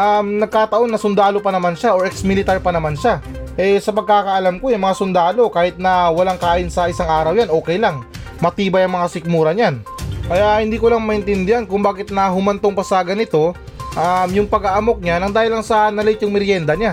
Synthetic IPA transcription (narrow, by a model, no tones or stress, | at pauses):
ʔamnɐɡ̚kaːt̪ɐʔo̞nːɐsʊnd̪aːlo̞pɐnɐmanʃaʔoɹʔɛksmɪlɪt̪aɹpɐnɐmanʃaʔɛsɐpɐɡ̚kaːkɐʔɐlamko̞jʊŋmɐŋasʊnd̪aːlo̞kaːhɪt̪̚nɐwɐlaŋkaːʔɪnsɐʔɪsaŋʔaːɾɐwjanʔo̞ːkɛjlaŋ | mɐt̪iːbɐjɐŋmɐŋasɪk̚muːɾɐɲankɐjahɪnd̪iːkolaŋmɐʔɪnt̪ɪnd̪ɪhankʊŋbaːkɪt̪̚nɐɦʊmɐnt̪oŋpɐsɐɡɐnɪt̪o̞ | ʔamjʊŋpɐɡaʔɐmo̞k̚ɲanɐŋd̪aːhɪlːɐŋsɐnɐlɪt̪jʊŋmɪɾjɛnd̪ɐɲa